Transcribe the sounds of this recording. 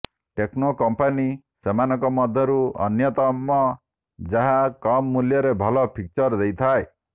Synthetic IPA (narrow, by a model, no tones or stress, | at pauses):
ʈeknokɔmpani | semanɔ̃ŋkɔmɔd̪ʱjɔɾuɔ̰njɔt̪ɔmːɔ | d͡ʒaɦakɔmːuljɔɾebʱɔlɔpʰik̚t͡ʃɔɾd̪ejt̪ʰae